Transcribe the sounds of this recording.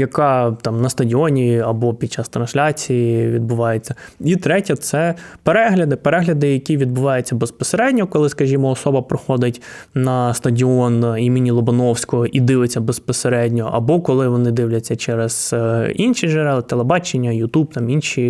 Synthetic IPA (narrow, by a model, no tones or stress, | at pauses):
jɐkɑt̪ɑmnɐst̪ɐdʲiɔnʲiɐbɔpʲid̥̪̚ʲt͡ʃɑst̪ɾɐnsʲlʲat͡sʲijiʋʲid̪̚bʊʋɑjet͡sʲːɐit̪ɾɛtʲɐt̪sɛpeɾɛɦlʲɐd̪ɪpeɾɛɦlʲɐd̪ɪjɐkʲiʋʲid̪̚bʊʋɑjʊt͡sʲːɐbespɔseɾɛdʲnʲɔkɔlˠɪskɐʒʲimɔːsɔbɐpɾɔxɔd̪ɪtʲnɐst̪ɐdʲiɔnimʲɪnʲilˠɔbɔnɔwsʲkɔɦɔʔid̪ɪʋɪt͡sʲːɐbespɔseɾɛdʲnʲɔʔɐ̰bɔkɔlˠɪʋɔnɪd̪ɪʋlʲɐt͡sʲːɐt͡ʃɛɾez̥inʃiʒeɾɛlˠɪt̪elˠebɑt͡ʃenʲːɐjʊt̪ub̚t̪ɑminʃʲi